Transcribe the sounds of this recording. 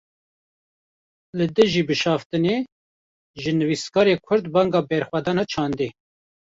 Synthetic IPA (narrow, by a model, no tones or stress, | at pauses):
lɨd̪ɨʒiːbɨʃɑːft̪ɨne | ʒɨnɨviːskɑːɾeːkʰʊɾd̪bɑːŋɡɑːbɛɾxwæd̪ɑːnɑt͡ʃʰɑːnd̪e